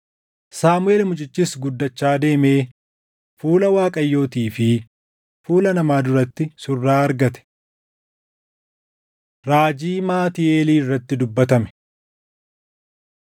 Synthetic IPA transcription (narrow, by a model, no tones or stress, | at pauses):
saːmʊe̞ːlmʊt͡ʃʼɪt͡ʃːisɡʊd̪ːɐt͡ʃːaːd̪e̞ːmeː | fuːlɐwaːkʼɐjːo̞ːt̪iːfɪ | fuːlɐnɐmaːd̪ʊɾɐt̪ːɪsʊrːaːɐɾɡɐt̪ɛ̥ | ɾaːd͡ʒiːmaːt̪ɪeːliːɪrːɐt̪ːɪd̪ʊbːɐt̪ɐmɛ̥